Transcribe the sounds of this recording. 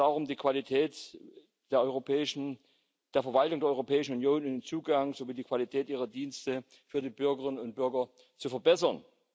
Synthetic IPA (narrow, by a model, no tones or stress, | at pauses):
aʊʁʊmdiːkʰv̥alitʰɛːt | d̥eːɐɔʏʁopɛːʃn̩ | d̥eːɐfɛɐvaltʊŋdeɐɔʏʁopʰɛːɪʃn̩unjoːnɪnnt͡suːɡaŋzoviːdiːkʰv̥alitʰɛːtʔiːʁɐdiːnstə | fyːɐdiːbʏɐɡəʁɪnənʊnt̚b̥ʏɐɡɐ | t͡sufɛɐbɛsɐn